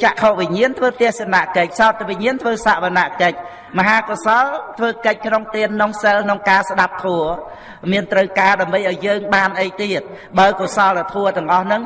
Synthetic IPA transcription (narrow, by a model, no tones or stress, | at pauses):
t͡ɕaʔkʰoːʔʋiɲiənt̪ʰʋəːt̪ɛ̆əhsenaʔkəc̚saɔt̪̚ːʋiɲiənt̪ʰʋəːsaːʔʋanaʔkəc̚ | məɦaːkosɑlt̪ʰʋəːkəc̚kʰnoŋt̪iənːoŋsəlkʰnoŋkaːsɗap̚t̪ʰuə | miənt̪rəwkaːɗaəmɓəjʔaɔjjəːŋɓaːnʔəjt̪iət̪̚ | ɓaəkosɑlat̪ʰuət̪ɛ̆əŋʔɑhnɨŋ